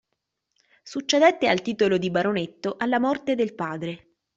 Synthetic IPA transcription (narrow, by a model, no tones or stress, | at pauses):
sut͡ʃːed̪ɛt̪ːealt̪iːt̪olod̪ibaɾonet̪ːoʔalːamɔrt̪ed̪elpaːd̪ɾe